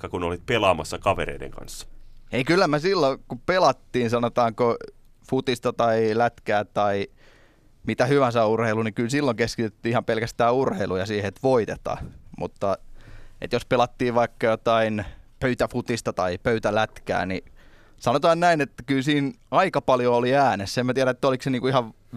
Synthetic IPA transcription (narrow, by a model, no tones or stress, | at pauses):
kːɑkunolit̪̚pelɑːmɑsːɑkɑʋeɾḛidḛŋkɑ̰nsːɑ̥eikylːæmesilːokupelɑt̪ːiːnsɑnot̪ɑːŋko | fut̪ist̪ɑt̪ɑilæt̪kæːt̪ɑi | mit̪æhyʋæsæurheilunikylsilːoŋkeskit̪yt̪ːyihɑmpelkæst̪æːurheilujɑsiːheet̪ʋoit̪et̪ɑ̰mṵt̪ːɑḛt̪jospelɑt̪ːiːʋʋɑikːɑjot̪ɑinpøyt̪æfut̪ist̪ɑt̪ɑipøyt̪ælæt̪kæ̰ːni | sɑnot̪ɑːnnæinet̪ːæ̥kylsiːnɑikɑpɑljooliæːnesːemæt̪iæɾæet̪ːæolikseniːŋkuihɑʋ